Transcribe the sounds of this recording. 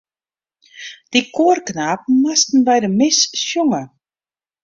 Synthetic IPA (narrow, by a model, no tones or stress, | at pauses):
d̥ikʰoːrknaːp̩̚mastn̩bɛjdəmɪssjɔŋə